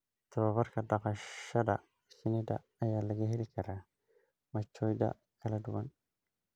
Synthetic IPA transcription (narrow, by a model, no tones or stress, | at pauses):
t̪ʰɐβɐβɐrkʰɐɖɑqɑɐðɐ | sɪnɛd̪ɐ̰ːjaːlɐɣɐɦɛlɪkʰɐɾaː | mɐt͡ʃːɔːjd̪ɐ̰ | kʰɐlɐɖʊwɐn